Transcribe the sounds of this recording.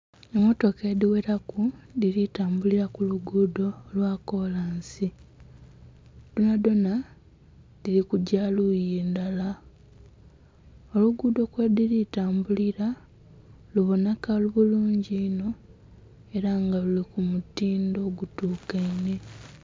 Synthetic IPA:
emo̞to̞kediweɾakudiɾitaːmbuliɾakuluɡuːdo̞lwako̞laːnsi | d̥onadona | diɾikuɟalujeːndala | oluɡuːdo̞kwediɾitaːmbuliɾa | luβonakaluβuluːɲɟiːno̞ | e̞ɾaŋɡalulikumutiːndo̞ːɡutuːkeine̞

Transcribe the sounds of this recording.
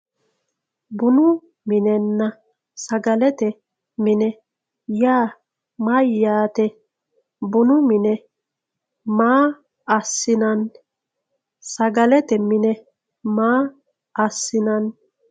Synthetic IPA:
bʊnʊ | mɪnɛnːɐ | sɐɡɐlɛt̪ɛ | mɪnɛ | jaː | mɐjːaːt̪ɛ | bʊnʊmɪnɛ | maː | ɐsːɪnɐn | sɐɡɐlɛt̪ɛmɪnɛ | maː | ɐsːɪnɐn

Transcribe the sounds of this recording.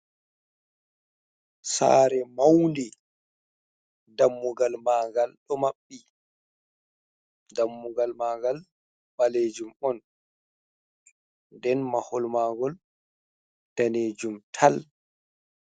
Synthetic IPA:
sa̰ːɾɛmawndi | damːuɡalmaːɡalɗɔmaɓːi | damːuɡalmaːɡal | baleːd͡ʒumɔn | dɛnmahɔlmaːɡɔl | d̥aneːd͡ʒumtʰal

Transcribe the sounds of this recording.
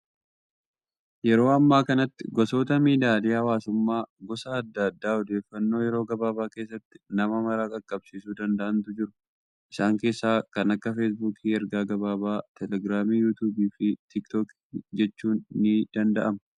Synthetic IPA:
jɛɾo̞ːɐmːaːkɐnɐt̪ːɪɡɔso̞ːt̪ɐmiːd̪aːlɪːɐwaːsʊmːaːɡɔsaːd̪ːɐd̪ːaːɔd̪e̞ːfːɐnːo̞ːjɛɾo̞ːɡɐbaːbaːke̞ːsːɐt̪ːɪ̥nɐmɐmɐɾaːkʼɐkʼːɐbsiːsuːd̪ɐnd̪ɐʔɐnt̪ʊd͡ʒɪɾʊ | ʔɪsaːŋke̞ːsːaːkɐnɐkːɐfeːs̬buːkʰiːɛɾɡaːɡɐbaːbaːt̪ʰɛlɛɡɾaːmiːjuːt̪uːbiːfɪt̪ɪkt̪ɔk | d͡ʒɛt͡ʃːuːnːɪd̪̥ɐnd̪ɐʔɐmɐ

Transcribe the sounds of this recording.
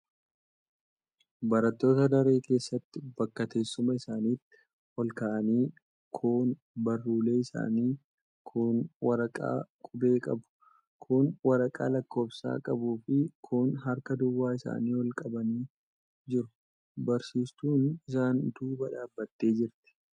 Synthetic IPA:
bɐɾɐt̪ːo̞ːt̪ɐd̪ɐɾe̞ːke̞ːsːɐt̪ːɪbɐkːɐt̪e̞ːsːʊmɐɪsaːniːt̪ːɪ̥ | hɔlkaːʔɐniː | kʰuːn | bɐrːuːle̞ːɪsa̰ːniː | kʰʊnwɐɾɐkʼa̰ːkʼʊbe̞ːkʼɐbʊ̥ | kʰʊnwɐɾɐkʼa̰ːlɐkːo̞ːbsa̰ːkʼɐbuːfɪkʰʊnɦɐɾkɐd̪ʊwːaːɪsa̰ːniːwɐlkʼɐbɐniː | d͡ʒɪɾʊ̥ | bɐɾsiːst̪uːnɪs̬aːnd̪uːbɐᶑaːbːɐt̪ːe̞ːd͡ʒɪɾt̪ɪ̥

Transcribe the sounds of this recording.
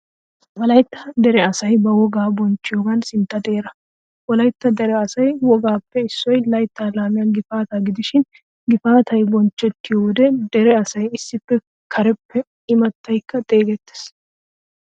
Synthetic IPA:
wɔlɐjt̪ːɐd̪ɛɾɛɐsɐjbɐwɔɡaːbɔnt͡ʃːɪjoːɡɐnsɪnt̪ːɐd̪e̞ːɾɐ | wɔlɐjt̪ːɐd̪ɛɾɛɐsɐjwɔɡaːpːɛɪsːɔjlɐjt̪ːalaːmɪjɐnɡɪfaːt̪aɡɪd̪ɪʃɪn | ɡɪfaːt̪ʰɐjbɔnt͡ʃːɛt̪ːɪjɔwɔd̪ɛd̪ɛɾɛɐsɐjɪsːɪpːɛ | kʰɐɾɛpːɛ | ɪmɐt̪ːɐjkːɐt̪ʼe̞ːɡɛt̪ːɪ̥s

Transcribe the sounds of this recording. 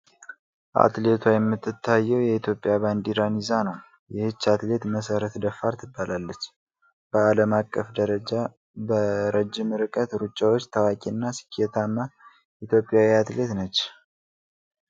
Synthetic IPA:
ʔa̰t̪le̞t̪ʰwajɛmːɨt̪ːɨt̪ʰːajːɛwjɛit̪ʰjo̞pʼɪjaband̪iɾanizanəw | jɛhɨt͡ʃːat̪le̞t̪məsəɾət̪d̪əfːaɾt̪ʰɨbːalalːət͡ʃː | b̥əaləmakʼːəfd̪əɾəd͡ʒa | bəɾəd͡ʒːɪmɨɾɨkʼət̪ɾut͡ʃʼːawot͡ʃːt̪ʰawakʼinːasi̥kʰːet̪ʰamːa | ʔit̪ʰjo̞pʼːjawiat̪le̞t̪nət͡ʃː

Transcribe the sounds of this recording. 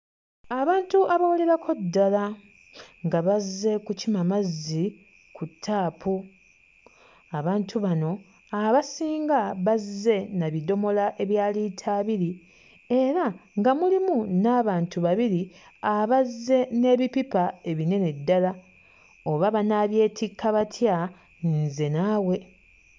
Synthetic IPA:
aβaːntuʔaβawole̞ɾakʰo̞dːala | ŋɡaβazːe̞kucimamazːi | kutʰːaːpu | aβaːntʰuβano̞ | aβasiːŋɡaβazːe̞naβido̞mo̞laʔe̞βjaːlitʰaːβiɾi | e̞ɾaŋɡamulimunaːβaːntuβaβiɾi | aβazːe̞ne̞ːβipipae̞βine̞nedːala | o̞βaβanaːβje̞ːtʰikʰːaβatʰja | nze̞naːwe̞

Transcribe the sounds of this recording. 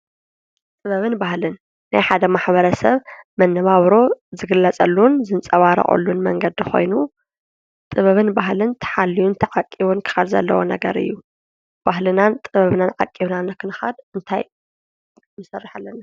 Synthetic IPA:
t̪ʼɨβɐβɨnbahlɨnː | ajħad̪ɐmaħbɐɾɐsɐβmɐnːɐβaβɾozɨɡɨlːɐt͡sʼɐlːunzɨnt͡sʼɐβaɾɐ̰χʼṵlːunmɐŋɡɐd̪xo̞̰jnu | t̪ʼɨβɐβɨnbaɦlɨnt̪ʰɐ̥ħalːijunt̪ʰɐʕakʼːiβunkʰɨ̥xalzɐ̰lːɐ̰wonɐ̰ɡɐɾɨ̰jːu | b̥aɦlɨnant̪ʼɨβɐβnanʕakʼiβnanɐkʰɨnɨxa̰d̪ɨnt̪ʰa̰j | mːɨsɐrːɨħalːɐna

